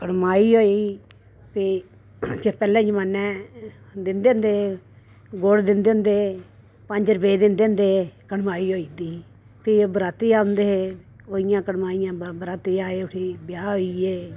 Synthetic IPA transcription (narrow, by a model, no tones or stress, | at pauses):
kəɽmaːiːɦoːiː | pʰiː | kepɛːlɛ̃ːd͡ʒəmaːnːɛ̃ː | d̪ɪnd̪eːʊ̃nd̪eː | ɡoːɽd̪ɪnd̪end̪eː | pəɲd͡ʒɾəbeːd̪ɪnd̪eʊ̃nd̪eːkəɽmaːiːɦoːiːd̪iː | pʰieːbəɾaːt̪iːaːʊ̃nd̪eːɦeː | oːɪjãːkəɽmaːijãːbəɾaːt̪iːaːeːʊʈʰiːbɪjaːɦoːiːeː